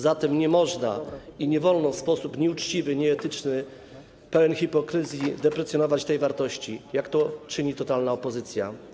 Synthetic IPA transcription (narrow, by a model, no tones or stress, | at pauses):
zat̪ɛmɲɛmɔʐnaiɲɛvɔlnɔfspɔsupɲɛut͡ʂt͡ɕivɘɲɛːt̪ɘt͡ʂnɘ | pɛwɛnxʲipɔkɾɘzʲjid̪ɛpɾɛsʲjɔnɔvat͡ɕt̪ɛjvaɾt̪ɔɕt͡ɕijakt̪ɔt͡ʂɘɲit̪ɔt̪alnaɔpɔzɘt̪sʲja̰